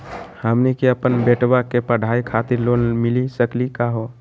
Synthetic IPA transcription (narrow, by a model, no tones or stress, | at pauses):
həmnikiəpənbeʈbakepəɽ̤ʱaikʰat̪iɾlonmilisəklikaɦo